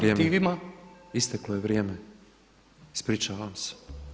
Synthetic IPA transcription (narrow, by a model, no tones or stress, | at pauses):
ɾjeːmiʋimaist̪eklojeʋɾjeːme | ispɾiːt͡ʃaʋamse̥